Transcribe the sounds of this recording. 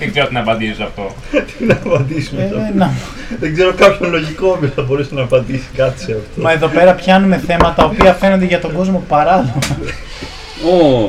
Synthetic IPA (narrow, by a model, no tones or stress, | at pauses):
ðeɡzeoot̪enɐpɐnd̪isosɐft̪o̞ | t̪inɐpɐnd̪isumesɐnɐ | ðeɡzeɾokɐpçonlo̞ʝikomisθɐbo̞ɾesenɐːpɐnd̪isi̥kɐt̪i̥seɐft̪omɐe̞ðo̞pe̞ɾɐpçɐnume̞θe̞mɐt̪ɐopiɐfe̞no̞nd̪eʝɐt̪o̞ɡo̞zmo̞pɐɾɐloɣ | o